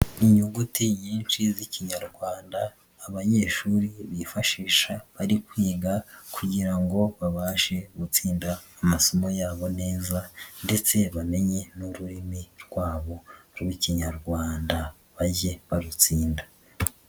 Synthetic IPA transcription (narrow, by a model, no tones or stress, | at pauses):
iɲuɡutiɲiːnʃiziciɲaɾɡwaːndaː | βaɲe̞ːʃuɾiβifaʃiːʃaβaɾikwiːɡakʰuɟiɾaŋɡo̞βaβaːʃe̞ɡut͡siːndaːmaso̞mo̞jaːβo̞ne̞ːzande̞t͡se̞βame̞ɲe̞nuɾuɾimiɾɡwaːβo̞ɾɡwiciɲaɾɡwaːnda | βaɟeβaɾut͡siːnda